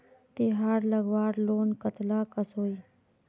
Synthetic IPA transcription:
t̪iɦaːɾləɡʋaːɽloːnkət̪laːkəsɦoːi

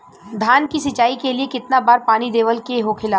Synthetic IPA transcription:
d̪ʱaːnkisɪt͡ʃaːikeliekɪt̪nabaːɾpaːnid̪eːʋəlkeɦokʰɪlaː

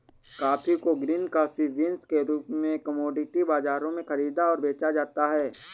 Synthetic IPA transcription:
kaːfikoɡɾiːnkaːfiʋɪnskeɾuːpmẽkɐmɔːɖɪʈibaːzaːɾõmẽxɐɾiːd̪aɔːɾbeːt͡ʃad͡ʒaːt̪aɦɛː

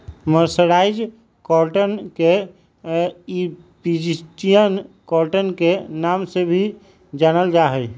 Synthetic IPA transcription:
məɾsəɾaːɪd͡ʒ | kɔlʈənke | i | pid͡ʒisʈijənkɔlʈənkenamsebʱi | d͡ʒaːnəld͡ʒaɦəj

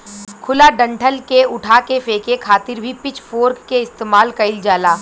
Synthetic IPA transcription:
kʰʊlaɖɐ̃ɳʈʰəlkeʊʈʰakefeːkekʰaːt̪ɪɾbʱipɪt͡ʃfoːɾkːeɪst̪eːmaːlkɐɪld͡ʒaːlaː

